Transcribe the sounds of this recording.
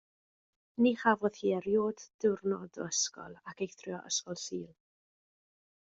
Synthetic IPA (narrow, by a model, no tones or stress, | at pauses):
niːχavɔðhiɛɾjoːdd̥ɪwrnɔdo̰əskɔ̰lˠakʰejθrjɔʔə̰skɔlˠsiːlˠ